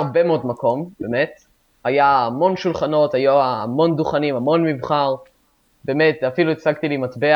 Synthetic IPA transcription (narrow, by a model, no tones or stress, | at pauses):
ʁbemeodmako̞mbemet̪ | ajaːmo̞nʃulχano̞t̪ajuamo̞nd̪uχanimamo̞nmivχaʁ | bemet̪afiluet͡saɡt̪ilimatbe